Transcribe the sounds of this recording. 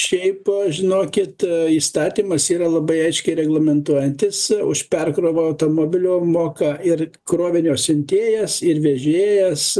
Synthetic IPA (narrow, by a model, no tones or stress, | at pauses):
ʃʲɛɪpʒʲɪnoːkʲɪt̪iːst̪ɑːt̪ʲiːmɐsiːɾɐlˠɐbɐɪɐɪʃʲkʲɛɪɾʲɛɡlˠɐmʲɛnt̪uɔjɛnʲt̪ʲɪsʊ̰ʃpʲɛrkɾoːʋoɐʊt̪oːmoːbʲɪlʲoːmoːkɑɪr | kɾoːʋʲɪnʲoːsʲɪnʲt̪ʲeːjɛsɪrʋʲɛʒʲeːjɛs